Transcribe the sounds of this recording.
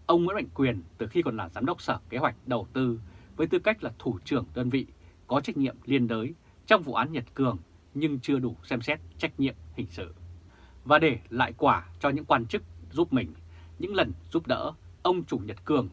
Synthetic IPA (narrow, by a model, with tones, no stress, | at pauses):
ʔə˧wŋ͡mmɨ̰˧˥nma̰˧˨ŋ̟kwi˨˩ənt̪ɨ˨˩xi˧kɔ˨˩nlaː˨˩zaː˨˦mɗə˦˥wk͡p̚səː˧˩ke˨˦ɦwa˨˩jk̟̚ɗə˨˩wt̪ɨ˧vəː˨˦jt̪ɨ˧ka˦˥jk̟̚laː˨˩t̪ʰu˧˩t͡ɕɨ˨˧˩əŋɗəː˧nvḭ˧˨kɔ˨˦t͡ɕa˦˥k̟̚ɲḭ˧˨əmli˧ənɗəː˨˦j | t͡ɕɔ˧wŋ͡mvṵ˧˨ʔaː˨˦nɲə˨˩t̚kɨ˨˩əŋ | ɲɨ˧ŋt͡ɕɨ˧əɗu˧˩sɛ˧msɛ˦˥t̚t͡ɕa˦˥jk̟̚ɲḭ˧˨əmhï˨˩ŋ̟sɨ̰˧˨ | vaː˨˩ɗe˧˩la̰ː˧˨jkwaː˧˩t͡ɕɔ˧ɲɨ̰˧˥ŋkwaː˧nt͡ɕɨ˦˥k̚zu˦˥p̚mï˨˩ŋ̟ | ɲɨ̰˧˥ŋlə˨˩nzu˦˥p̚ɗə̰ː˧˥ʔə˧wŋ͡mt͡ɕu˧˩ɲə˨˩t̚kɨ˨˩əŋ